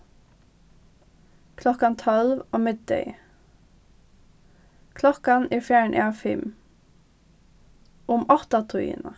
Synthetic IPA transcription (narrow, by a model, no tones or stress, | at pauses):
kʰlɔkɑnt̪ʰɔlʋoːmɪd̪̚d̪œ̰ɪ | kʰlɔkɑniːfjæːəɳʔḛːɑfɪm | ʊmɑt̪ɑt̪ʰʊḭːnə